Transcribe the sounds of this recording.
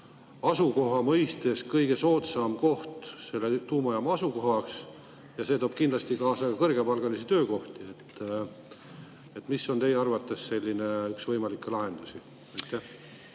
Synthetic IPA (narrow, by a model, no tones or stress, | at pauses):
ɑsuko̞ɦɑmɤjst̪e̞skɤjɡ̥e̞so̞ːt̪sɑmko̞ht̪se̞lːet̪uːmɑjɑmɑɑsuko̞ɦɑks | jɑset̪o̞ːb̥̚kind̪̥lɑst̪ikɑːsɑkɑkɤrɡe̞pɑlɡ̥ɑlisit̪ø̞ːko̞ht̪ie̞t̪ː | et̪miso̞nt̪e̞jeɑrvɑt̪ːˑe̞sse̞lʲːineyksvɤjmɑlikːelɑɦe̞nd̪̥usi | ɑjt̪ːˑæh